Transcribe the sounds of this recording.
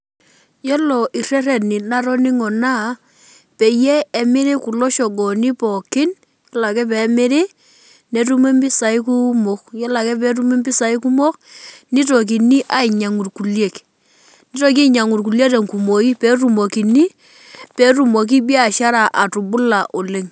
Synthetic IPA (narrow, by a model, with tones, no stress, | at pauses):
jɔ˦lɔ˨ʔi˨rɛ˦ɾɛ˨nɪ˨na˦ɾɔ˦nɪ˦ŋɔ˨na˦˨ | pe˨jeː˦˨mɪ˦ɾɪ˦ku˨lɔ˦ʃɔ˨ɡɔ˨ni˦pɔ˨kɪ˦n | jɔ˦la˨kɛ˦p̬ɛː˨˦mɪ˦ɾɪ˦ | ne˨tu˦me˦mbɪ˦sa˨ɪ˦ku˦mo˦kjɔ˦la˨kɛ˦p̬ɛ˨˦ɾu˦me˦mbɪ˦sa˨ɪ˦ku˦mo˦knɪ˦to˨k̬i˨ni˦ʔa˦ɪ˨ɲa˨ŋu˨rku˨lje˨k | nɪ˦tɔ˨ki˦˨ɲa˨ŋu˨ɾku˨lje˦te˨ŋku˨mo˨ki˦pe˦ru˨mo˨ki˨ni˦ | pe˦ɾu˦mo˨k̬i˦bi˦a˨ʃa˦ɾa˨ʔa˨tu˨bʊ˦la˨ʔo˨le˦ŋ